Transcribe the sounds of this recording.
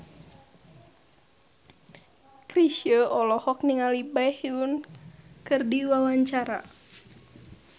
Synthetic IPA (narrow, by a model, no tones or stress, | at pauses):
kɾisəʔɔlɔhɔk̚niŋalibajhiunkɨrdiwawaɲt͡ʃaɾa̰